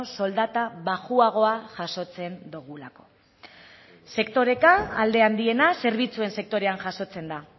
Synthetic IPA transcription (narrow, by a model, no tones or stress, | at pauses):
so̞ld̪at̪aβaɣuaɣ̞o̞aʝaso̞t͡se̞nd̪uɣ̞ulako̞̥ | se̞kt̪o̞ɾe̞kaːld̪e̞and̪ie̞nase̞ɾβit͡sue̞nse̞k̚t̪o̞ɾe̞anʝaso̞t͡se̞nd̪a